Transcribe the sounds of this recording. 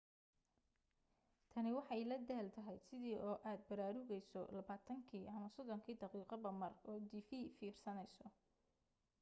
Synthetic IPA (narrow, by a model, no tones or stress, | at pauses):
t̪ʰɐnɪwɑħɑjlɐd̪ɛːlt̪ʰɐɦɛjsɪðiːʔɔːʔaːd̪̚bɐɾaːɾʊɣɛjsɔ̰lɐβaːt̪ʰɐŋkʰiːʔɐmɐsɔd̪ɔŋkʰiːd̪ɑqiːqɐbɐmɐrɔːd̪ifiːfiːrsɐnɛjsɔ